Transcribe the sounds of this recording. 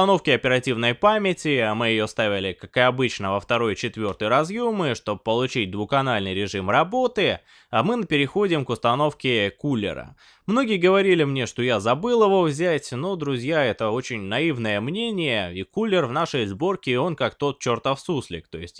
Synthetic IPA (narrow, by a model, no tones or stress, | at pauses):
ɐno̞fkʲɪɐpʲɪɾɐtʲivnəjpamʲɪtʲɪamɨjɪjo̞st̪avʲɪlʲɪkakɨɐbɨt͡ɕnəvəft̪ɐɾo̞jt͡ɕɪt̪vʲo̞rt̪əjɾɐzjumɨʂt̪o̞b̚pːəlˠʊt͡ɕit̚ʲd̪vʊkɐnalʲnɨjɾʲɪʐɨmrɐbo̞t̪ɨ | amɨnəpʲɪɾʲɪxo̞dʲɪmkʊst̪ɐno̞fkʲɪkulʲːɪ̰ɾə̰ | mno̞ɡʲɪjəɡəvɐɾʲilʲɪmnʲe̞ʂt̪o̞jazɐbɨlˠɪvo̞vzʲætʲnod̪ɾʊzʲjaɛt̪əo̞t͡ɕɪnʲnɐivnəjəmnʲenʲɪjəikulʲːɪrvnaʂəjzbo̞rkʲɪo̞nkakt̪o̞t̪̚t͡ɕort̪əfsuslʲɪ̰kt̪o̞jɪsʲtʲ